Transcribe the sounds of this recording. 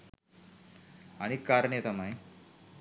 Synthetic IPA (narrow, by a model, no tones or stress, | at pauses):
aɽ̃ikːaɾɳet̪amai